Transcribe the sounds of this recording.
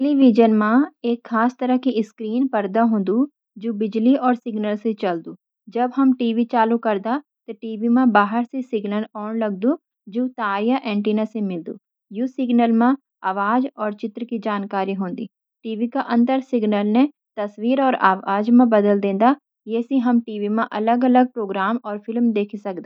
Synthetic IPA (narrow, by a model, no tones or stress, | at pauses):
ʈɛliːʋid͡ʒənmãeːkʰːaːst̪əɾəkiʔɪskɾiːnpəɾd̪aɦʊ̃ːnd̪uː | d͡ʒoːbɪd͡ʒliɔːɾsɪɡnəlset͡ʃəld̪uː | d͡ʒəbɦəmʈiːʋiːt͡ʃaːlukəɾd̪a | t̪eʈiːʋimãːbaːɦəɾsesɪɡnəlɔːɳləɡ̚d̪uː | d͡ʒoːt̪aːjaʔɛ̃ːɳʈiːnãsemɪld̪ṵː | joːsɪɡnəlmã | aːʋaːd͡ʒɔːɾt͡ʃɪt̪ɾəkid͡ʒaːnkaːɾiɦõːnd̪ḭː | ʈiːʋikaʔə̃nt̪əɾsɪɡnəlne | t̪əsʋiːɾɔːɾaːʋaːd͡ʒmãbəd̪əld̪ẽːnd̪aː | jeːsĩɦəmʈiːʋimãʔələɡələɡ̚pɾoːɡɾaːmɔːɾpʰɪlmd̪eːkʰisək̚d̪aː